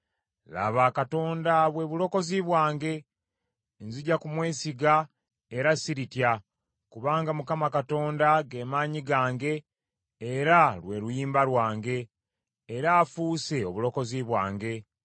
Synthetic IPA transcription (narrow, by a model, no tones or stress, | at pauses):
la̰βaːkato̞ːndaβwe̞βulo̞ko̞ziβwaːŋɡe̞ | nziɟakumwe̞ːsiɡa | eɾasiɾitja | kuβaːŋɡamukamakato̞ːndaɡe̞ːmaːɲiɡaːŋɡe̞ː | ɾalwe̞ɾujiːmbalwaːŋɡe̞ː | ɾaːfuːse̞oβulo̞ko̞ziβwaːŋɡe̞